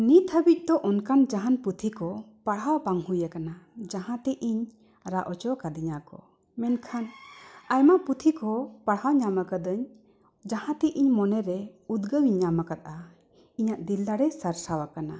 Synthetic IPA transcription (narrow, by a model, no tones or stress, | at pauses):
nit̪ʰəbic̚ˀd̪ɔʔɔnkand͡ʒaɦanput̪ʰikɔpaɽɦawpaŋhujakanad͡ʒaɦãt̪ɛʔiɲ | ɾaʔɔt͡ʃɔkad̪iɲakɔ̰ | mɛnkʰanajmaʔput̪ʰikɔpaɽɦawɲamakad̪əɲ | d͡ʒahãt̪ɛʔiɲmɔnɛɾɛud̪ɡəwiɲɲamakat̪̚a | iɲaʔd̪ilːaɽɛsaɾsawakana̰